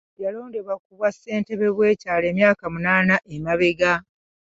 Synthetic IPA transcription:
jalo̞ːnde̞βakuβwasːe̞ːnte̞βe̞βwe̞ːcaːle̞ːmjaːkamunaːnaʔemaβeɡa

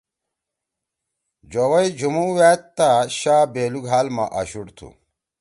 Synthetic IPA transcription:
d͡ʑowɐjd͡ʑumuwæːt̪ːaɕaːbeːluɡʱɦaːlma̰ʔɐ̰ɕuɽt̪ʰṵ

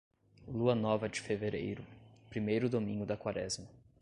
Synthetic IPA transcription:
luɐnɔvɐd͡ʒɪfeveɾḛjɾʊpɾimejɾʊd̪omĩŋɡʊd̪ɐkwaɾɛ̰zmɐ

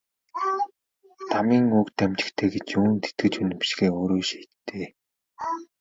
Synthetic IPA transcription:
t̪ʰamiːŋɵkt̪æmt͡ɕɪ̆kt̪ʰeːɡet͡ɕuːnt̪ʰe̥t̪̚ɡɘ̆t͡ɕunɘ̆pʃɡeːoːɾoːʃiːt̪ʰːeː

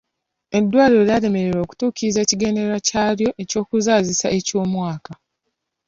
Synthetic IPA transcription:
e̞dːwaːɾiɾoɾjaɾe̞me̞ɾeɾo̞ːku̥tuːkiɾize̞ːciɡe̞ne̞ɾacaːɾjo̞ʔe̞co̞ːkuzaːzisaʔe̞co̞ːmwaːka

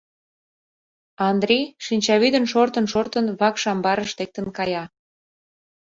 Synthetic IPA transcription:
ɑnd̪ɾʲiʃinʲt͡ɕɑβyd̪ənʃort̪ə̆nʃort̪ənβɑkʃɑmbɑɾəʃt̪ek̚t̪ənkɑjɑ

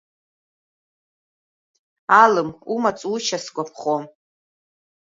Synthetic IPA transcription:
alɨmumat͡sʼut͡ʃʰasɡʷapʰχom

